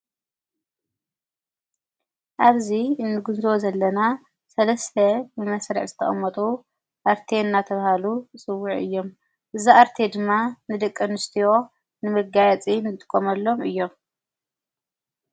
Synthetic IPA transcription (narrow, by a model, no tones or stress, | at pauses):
ʔaβziɨnːɨɡunzozɐlːɐna | sɐlɐst̪ʰɐbɨmɐsɾḭʕzɨt̪ʰɐ̰χʼɐmːɐt̪ʼu | ʔaɾt̪ʰe̞nːat̪ʰɐβhalusʼɨwːuʕʔɨ̰jːo̞m | ʔɨziʔaɾt̪ʰe̞d̪ɨmːanɨd̪ɐkʼːɨnɨst̪ʰijo̞ | nɨmɐɡajɛt͡sʼinɨt̪ʼɨkʼːomɐlːo̞mɨjːo̞m